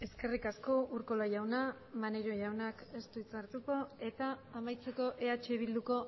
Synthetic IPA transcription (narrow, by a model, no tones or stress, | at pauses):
e̞ske̞rikasko̞uɾko̞lajawna | maneɾoʝawnake̞st̪uit͡saɾt̪uko̞e̞t̪aːmajt͡se̞ko̞ʔe̞at͡ʃe̞βild̪uko̞